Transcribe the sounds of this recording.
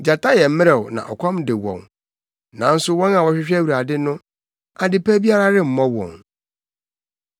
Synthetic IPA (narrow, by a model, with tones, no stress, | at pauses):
d͡ʑa˨tʰa˦jɛ˨m̩˦mɪ̃˦ɾɛ˨nã̰˨ʔɔ̰˨kʰɔ̃˦mdɪ˨wɔ̰̃˨n | nã̰˨n̩˦sʊ˦wɔ̃˦na˨wɔ˨ɕᶣɪ˦ɕᶣæ˦wu˨ɾa˨dɪ˦nʊ̃˦ | a˨dɪ˦pæ˦bi˦a˦ɾa˦ɾɪ˦m̩˨mɔ̃˦wɔ̰̃˨ŋ